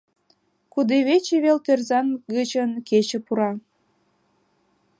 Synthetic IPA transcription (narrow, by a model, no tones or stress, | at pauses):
kud̪eβet͡ɕeβelt̪erzɑnɡət͡ɕənket͡ɕĕpuɾɑ